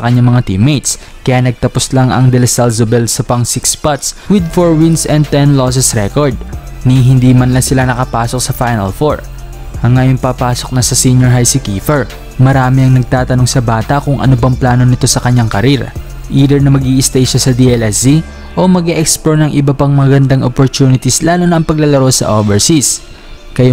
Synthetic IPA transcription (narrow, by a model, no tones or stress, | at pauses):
sɐkɐɲːaŋmɐŋat̪imejt̪s | kɐjaːnɐɡ̚t̪ɐpo̞slaŋɐ̰ŋd̪ɛlɛsalsobɛlsɐpɐŋsɪkspat̪swɪd̪foɹwɪnsʔɛ̃nd̪̚t̪ɛnlos̬ɛsɾɛkoɹd̪̚niɦɪnd̪iːmɐnlɐŋsɪlanɐkɐpaːso̞k̚sɐfajnɐ̰lfoɹ | hɐŋːɐjoŋpapaːso̞k̚nɐsɐsiɲjoɹɦajsɪkiːfɛɹ | mɐɾaːmɪɐŋnɐɡ̚t̪aːt̪ɐno̞ŋsɐbaːt̪ɐʔkʊŋʔɐ̰nobɐŋplaːno̞nɪt̪o̞sɐkɐɲːaŋkɐɾiɾɐ̰ | ʔiːd̪ɛɹnɐmɐɡiːʔɪst̪ɐjʃasɐd̪iɛlɛsi | ʔo̞mɐɡɛʔɛkspoɹnɐŋʔɪbɐpɐŋmɐŋɐɡɐnd̪aŋʔopoɹt̪uːnɪt̪islaːnonɐʔɐŋpɐɡ̚lɐlɐɾo̞sɐ̰ʔovɛɹsis | kɐja